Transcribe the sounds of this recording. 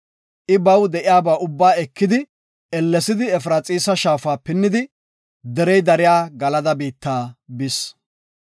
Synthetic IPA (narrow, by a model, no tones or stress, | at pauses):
ʔɪbɐwd̪ɛʔɪjaːbaːʊbːaːɛkːɪd̪ɪ | ɛlːɛsɪd̪ɪɛfɾaːt͡sʼiːsɐʃaːfaːpɪnːɪd̪ɪ | d̪ɛɾɛjd̪ɐɾɪjaːɡɐlɐd̪ɐbiːt̪ːaːbɪs